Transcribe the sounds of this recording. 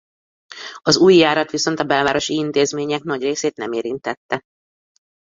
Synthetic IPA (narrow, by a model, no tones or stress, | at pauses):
ɒzuːjːaːɾɒt̪ʋiso̞nt̪ɒbɛlvaːɾo̞ʃiint̪eːzmeːɲɛknɒɟreːseːt̪nɛ̰meːɾint̪ɛt̪ːɛ